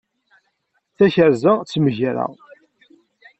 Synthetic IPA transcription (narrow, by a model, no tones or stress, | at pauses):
θæçəɾzat͡sːməʝɾa̰